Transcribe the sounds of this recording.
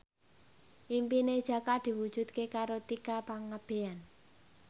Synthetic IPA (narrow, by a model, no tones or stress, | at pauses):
ʔimpined̥ʒ̥a̤kad̪̥i̤wud̥ʒ̥ṳt̪̚kekaɾot̪ikapaŋːab̥e̤an